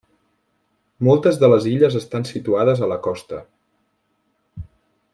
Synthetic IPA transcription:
mɔlˠt̪əzðələziʎəzəst̪ansit̪uaðəzələkɔst̪ə

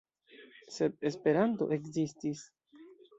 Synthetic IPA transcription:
se̞b̚e̞spe̞ɾanto̞̰ʔe̞kzistis

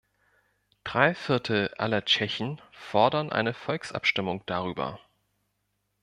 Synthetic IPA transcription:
d̥ʁaɪfɪɐtʰl̩ʔa̰lɐt͡ʃɛçn̩fɔɐdɐnʔa̰ɪnəfɔlksʔa̰pʃtɪmʊŋd̥aʁ̞yːbɐ̰

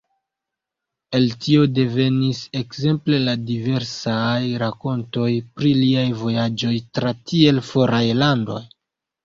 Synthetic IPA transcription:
e̞ltio̞de̞ve̞nise̞kse̞mple̞ladive̞ɾsajɾako̞nto̞jpɾiliajvo̞jad͡ʒo̞jtɾatʰie̞lfo̞ɾajlando̞̰j

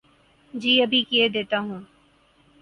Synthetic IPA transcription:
d͡ʒiːɐbʱikied̪eːt̪aɦũː

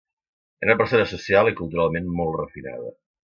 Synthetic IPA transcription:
ḛunəpəɾsonəsusialˠikulˠt̪uɾalˠmenmɔlˠt̪rəfina̰ðə̰

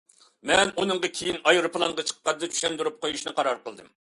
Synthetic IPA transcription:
mɛnunɨŋʁɑkʲʰejinɑjɾuplˠɑŋʁɑt͡ʃʰə̥qːɑd̪ɨt͡ʃ̪ʰy̥ʃɛnd̪yɾup̚qojuʃnɨqʰɑɾɑɾqəlˠd̪ɨm

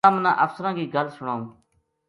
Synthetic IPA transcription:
aːmnã̰ːʔəfsəɾãːkiːɡʱəlsʊɳaːũː

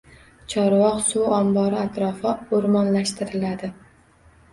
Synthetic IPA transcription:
t͡ʃʰɒɾwɒqsuɒmbɒɾɪat̪ɾɒfɪoɾmɒnlaʃt̪ʰɪɾɪlad̪ɪ

